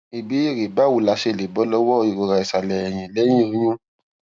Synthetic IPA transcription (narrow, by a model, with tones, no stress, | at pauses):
i˨bi˨˦i˦˨ɾe˨ba˦˨wu˧˨la˧ʃe˧˨le˨bɔ˧˦lɔ˦wɔ˦˧i˨ɾo˧ɾa˧i˨sa˨lɛ˨ɛ˨j̃ĩ˨lɛ˨˦j̃ĩ˦˨ũ˦j̃ɔ̃˦